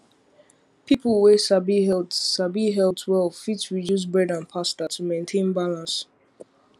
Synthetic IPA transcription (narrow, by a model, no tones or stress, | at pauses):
pʰipəlˠwɛsabiɦɛlsabiɦɛltʰwɛlfitsɹidjus̬bɹɛdãnpʰastətʰumẽɪ̃ntʰẽnbalãns